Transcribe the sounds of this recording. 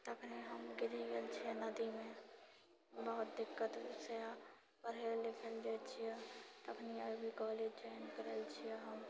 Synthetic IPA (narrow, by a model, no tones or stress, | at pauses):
t̪ɐkʰniɦəmɡɪɾiɡəlt͡ʃʰɛnɐd̪imẽ | bəɦʊt̪̚d̪ɪkːət̪sja | pəɾelɪkʰəld͡ʒeːt͡ʃʰiɛt̪ɐkniabʱikɔːleːd͡ʒd͡ʒaɪnkəɾelt͡ʃʰiɛɦəm